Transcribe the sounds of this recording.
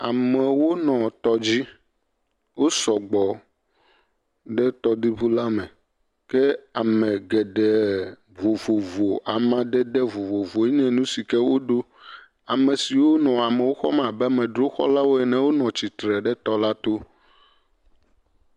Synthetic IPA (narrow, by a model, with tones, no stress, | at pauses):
a˨mɛ˨wo˦nɔ̃˨t̪ɔ˦d͡ʑi˦ | wo˦sɔ˨ɡ͡bɔ˨ | ɖɛ˦t̪ɔ˦d̪i˦βu˦la˦mɛ̃˨ | kɛ˦a˨mɛ̃˨ɡɛ˨ɖɛ˨ | vo˨vo˨vo˨ʔa˨mã˦ɖɛ˦ɖɛ˦vo˨vo˨vo˨e˦ɲɛ̃˦nũ˦si˨kɛ˦wo˦ɖo˦ | a˨mɛ̃˨si˨wo˦nɔ̃˨a˨mɛ̃˨wo˦xɔ̰˦mã˨bɛ˦a˨mɛ̃˨ɖɾo˦xɔ̰˦la˦wo˦ɛ˨nɛ̃˨wo˦nɔ̃˨t͡ɕi˨t̪ɾɛ˨ɖɛ˦t̪ɔ˦la˦t̪o˦